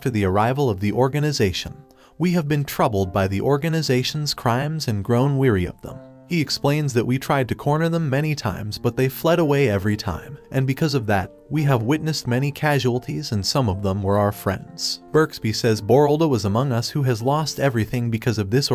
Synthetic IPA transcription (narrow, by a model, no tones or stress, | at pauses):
tə˞ðiə˞aɪvl̩ˠʌvðiʔɔɹɡɨnɨzeɪʃɨ̃n | wiɨvbɨ̃ntʰɹ̥ʌbl̩ˠd̚baɪðiʔɔɹɡɨnɨzeɪʃn̩z̥kʰɹ̥ãɪ̃mzɨ̃nɡɹõʊ̃nwɪɹiʌ̰vðə̰̃m | iɨksplẽɪ̃nzðɨʔ̚witʰɹ̥aɪd̚tɨkʰɔɹnə˞ðə̃mːɛɾ̃itʰã̰ɪ̃mzbʌt̪̚ðeɪflɛɾəweɪɛvɹitʰã̰ɪ̃mʔɨ̃nbɨkʰʌzʌvðɨt̚wiɨvwɪtⁿnɨst̚mɛñikʰæʒul̩ˠtʰizɨ̃nsʌ̃mʌvðə̃mwə˞aʊə˞fɹɛ̰̃ndz̥b̥ɜ˞ksb̥isɛzbɔɹlˠdowʌzəmʌ̃ŋʌshuɨzlɔstɛvɹiθɪ̃ŋbɨkʰʌzʌvðɪs